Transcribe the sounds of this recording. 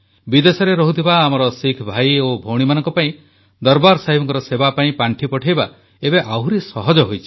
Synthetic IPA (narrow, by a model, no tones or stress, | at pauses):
bid̪esɔɾeɾɔɦut̪ʰibaːmɔɾɔsikʰbʱajobʱowɽ̃imanɔŋkɔpaĩ | d̪ɔɾbaɾsaɦibɔŋkɔɾɔsebapaĩpaɳʈʰipɔʈʰajba | ebeʔawɾisɔɦɔd͡ʒɔɦojt͡ʃʰi̥